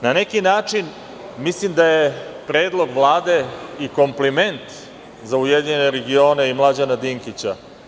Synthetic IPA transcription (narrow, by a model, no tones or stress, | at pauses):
nanekinaːt͡ʂin | mislimd̪ajepɾe̞ːd̪lˠo̞ɡʋlˠaːd̪e̞iko̞mplime̞nt̪ | zaujed̪iɲene̞ɾeɡioːneimlˠad͡ʑanad̪iŋkit͡ɕa